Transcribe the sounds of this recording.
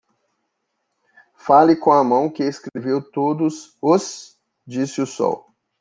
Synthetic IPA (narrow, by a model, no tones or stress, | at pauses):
falɪkõɐmɐ̃w̃kɪeskɾevewt̪od̪ʊsos | d͡ʒisɪʊsɔ̰w